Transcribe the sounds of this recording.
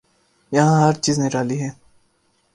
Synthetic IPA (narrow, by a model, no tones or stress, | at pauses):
jɐɦãːɦɐɾt͡ʃiːzneɾaːliɦɛː